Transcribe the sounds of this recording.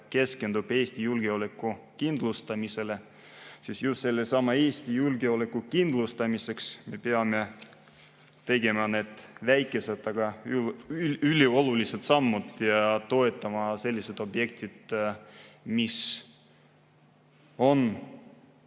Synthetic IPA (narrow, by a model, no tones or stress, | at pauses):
ke̞ske̞nd̪ub̥e̞ːst̪ijulɡ̥eolekːˑukind̪lust̪ɑmise̞le̞ | sisjust̪se̞lːesɑmɑe̞ːsʲt̪ijulɡeole̞kːukind̪̥lust̪ɑmise̞ksme̞peɑme̞ | t̪e̞ɡe̞mɑne̞d̪̥væjkːˑe̞set̪ːˑɑɡ̥ɑylyylʲio̞luliset̪sɑmːud̪jɑt̪o̞e̞t̪ːˑɑmɑse̞lʲːise̞t̪o̞bje̞k̚t̪id̪̥ | mis | o̞n